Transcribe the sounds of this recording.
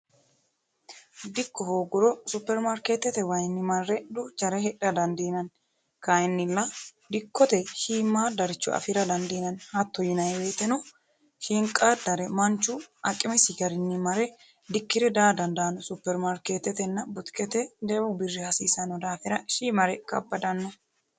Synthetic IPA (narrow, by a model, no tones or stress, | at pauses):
d̪ɪkːɔhoːɡʊɾɔsʊpːɛɾmaɾkeːt̪ːɛt̪ɛwɐjnːɪmɐrːɛd̪ʊt͡ʃɐɾɛɦɛᶑɐd̪ɐnd̪iːnɐn | kajɪnːɪlːɐd̪ɪkːɔt̪ɛhiːmːaːd̪ɐɾɪt͡ʃːɔ̰ɐ̰fɪɾɐd̪ɐnd̪iːnɐnhɐt̪ːɔjɪnɐjweːt̪ːɛnɔ | hɪŋkʼːad̪ɐɾɛmɐnt͡ʃːʊɐkʼːɪmɛsɪɡɐɾɪnːɪmɐɾɛ | d̪ɪkːɪɾɛd̪aːd̪ɐnd̪aːnɔsʊpːɛɾmaɾkeːt̪ːɛt̪ɛnːɐbʊt̪kɛt̪ɛd̪ɛwɔbɪrːɪhɐsiːsɐnːɔd̪aːfɪɾɐʃiːmɐɾɛkɐ̰bːɐd̪ɐnːɔ